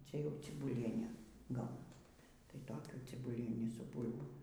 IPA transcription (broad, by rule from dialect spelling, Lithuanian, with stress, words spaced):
ˈt͡ʃʲɛ jɛʊ t͡sʲɪbʊˈlʲiɛnʲɛ ˈɡɐʊnɐs tɐɪ ˈtoːkʲuː t͡sʲɪbʊˈlʲiɛnʲiː sʊ ˈbuːlʲboːm